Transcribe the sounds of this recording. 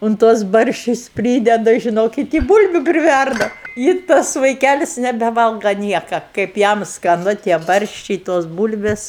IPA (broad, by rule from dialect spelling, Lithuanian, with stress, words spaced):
ʊn ˈtuɔs ˈbɐrʲʃʲt͡ʃʲʊs ˈpʲrʲiːdʲɛdɐ ʒʲɪˈnoːkʲɪt ɪ ˈbuːlʲbʲʊ pʲrʲɪˈʋʲærdɐ ɪ ˈtɐs ʋɐɪˈkʲælʲɪs nʲɛbʲɛˈʋɐlˠɡɐ ˈnʲiɛkɐ kɐɪp ˈjɛm skɐˈnʊ tʲiɛ ˈbɐrʲʃʲt͡ʃʲɛɪ toːs ˈbuːlʲʋʲeːs